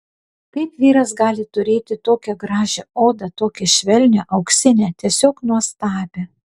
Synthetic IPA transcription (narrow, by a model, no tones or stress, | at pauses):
k̪ɐɪpʋʲiːɾɐsɡɑːlʲɪt̪ʊɾʲeːt̪ʲɪt̪oːkʲɛɡɾɑːʒʲɛoːd̪ɐt̪oːkʲɛʃʲʋʲɛlʲnʲɛʔɐʊksʲɪnʲɛt̪ʲiɛsʲoːknuɔst̪ɑːbʲe